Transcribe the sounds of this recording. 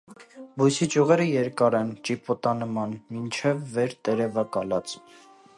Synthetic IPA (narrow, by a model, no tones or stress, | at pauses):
bujsit͡ʃuʁɛɾəjɛɾkɑɾɛnt͡ʃipɔt̪ɑnəmɑnmint͡ʃʰɛvːɛɾt̪ɛɾɛvɑkɑlɑt͡s